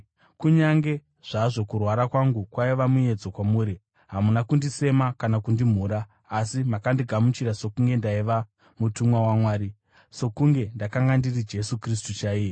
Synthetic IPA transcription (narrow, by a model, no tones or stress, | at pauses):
kuɲaŋɡe̞ | ʐ̥aʐo̞kurwaɾakwaŋɡukwaiʋamuje̞d͡zo̞kwamuːɾi | ɦamunakundise̞makanakundim̤uːɾaː | simakandiɡʱamut͡ʃiɾaso̞kuŋɡe̞ndaiʋa | mutumwawamwaːɾi | so̞kuŋɡe̞ndakaŋɡandirid͡ʒe̞sukris̬tut͡ʃaiːje